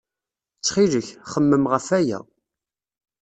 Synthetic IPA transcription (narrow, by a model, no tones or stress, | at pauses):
t͡sːχiləçχəmːəmʁəfæjæ̰